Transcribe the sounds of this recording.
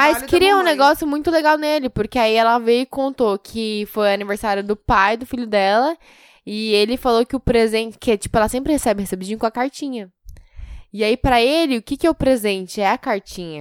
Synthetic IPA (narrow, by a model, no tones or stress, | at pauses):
maskɪɾiɐũneɡɔsjʊmũj̃t̪ʊleɡawnelɪpʊɾkeaiɛlɐvejʊɪkõnt̪okʰɪfojɐːniveɾsaɾjɐd̪ʊpajd̪ʊfiʎʊd̪ɛlɐ | ɪelɪfalokɪʊpɾezẽnt͡ʃɪ̥kɛt͡ʃi̥pʊɛlɐsẽmpɾɪhesɛbɪhesebd͡ʒĩɲʊkõɐkaɾt͡ʃĩɲɐ | ɪaipɾɐelɪʊkɪkɪɛʊpɾezẽnt͡ʃɪɛɐkaɾt͡ʃĩɲɐ